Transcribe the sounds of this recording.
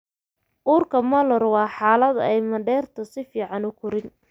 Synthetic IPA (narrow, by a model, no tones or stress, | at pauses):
ʔuːrkʰɐmɐlɔrwɑːħɑːlɐðɛjmɐɖɛːrt̪ʰɐsɪfiːʕɑnʊkʰʊɾɪn